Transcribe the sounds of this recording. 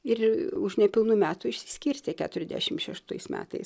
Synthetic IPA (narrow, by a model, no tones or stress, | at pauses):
ɪrʊʃnʲɛpʲɪlˠnuːmʲæːt̪uːɪʃʲsʲɪ̥sʲkʲiːɾʲsʲt̪ʲekʲæ̰ːt̪ʊɾʲɛzʲd̪ʲæ̰ʃʲɪmʃʲɛʃt̪ɐɪsmʲæ̰ːt̪ɐ̰ɪs